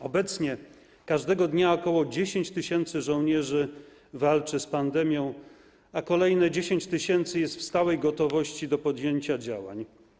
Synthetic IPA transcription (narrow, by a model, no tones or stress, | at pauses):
ɔbɛt̪sɲɛ | kaʐd̪ɛɡɔd̪ɲaɔkɔwɔd͡ʑeɕeɲt͡ɕt̪ɘɕɛnt̪sɘʐɔ̃w̃ɲɛʐɘ | valt͡ʂɘspand̪ɛmʲjɔ̃w̃ | akɔlɛjnɛd͡ʑeɕeɲt͡ɕt̪ɘɕɛnt̪sɘjɛst̪fst̪awɛjɡɔt̪ɔvɔɕt͡ɕid̪ɔpɔd̪jeɲt͡ɕad͡ʑawa̰ɲ